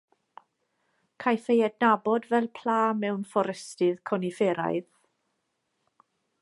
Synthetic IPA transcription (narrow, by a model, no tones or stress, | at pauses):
kʰajfejɛdnabɔdvɛlˠpʰl̥aːmɛwnfɔɾɛstɪðkʰɔnifeɾa̰jð